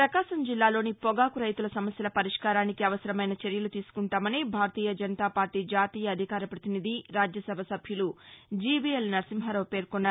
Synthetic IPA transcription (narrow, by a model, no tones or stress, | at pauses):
pɾɐkaːsɐmd͡ʒilːaːlo̞ːnipɔɡaːkuɾɐjt̪ulɐsɐmɐsjɐlɐpɐɾiʂkaːɾaːnikiɐʋɐsɐɾɐmɐjnɐt͡ʃeɾjɐlut̪iːsu̥kuɳʈaːmɐnibʱaːɾɐt̪iːjɐd͡ʒɐnɐt̪aːpaːɾʈiːd͡ʒaːt̪iːjɐːd̪ʱikaːɾɐpɾɐt̪inid̪ʱiɾaːd͡ʒjɐsɐbʱɐsɐbʱjulud͡ʒiːbiːelnɐɾsimɦɐɾɐʋpe̞ːɾkɔnːaː